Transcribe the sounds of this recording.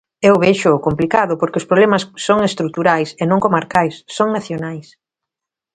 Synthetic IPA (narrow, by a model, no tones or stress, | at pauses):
ewβeʃʊkomplikaðʊpoɾkeʊspɾoβlɛmɐsːoŋest̪ɾuk̚t̪uɾajsenõŋkomaɾkajsːoŋnaθjonajs